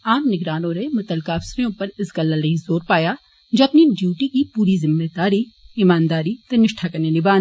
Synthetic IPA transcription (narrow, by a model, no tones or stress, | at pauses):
aːmnɪɡɾaːnõɾemʊt̪əlkaɐfsɾejõpɐɾɪsɡɐlalɐɦĩzoːɾpaːja | d͡ʒɐpniɖjuːʈikipuːɾizɪmːeːd̪aːɾiɪmaːnd̪aːɾit̪ɐnɪʃʈʰakɐɾnenɪbaː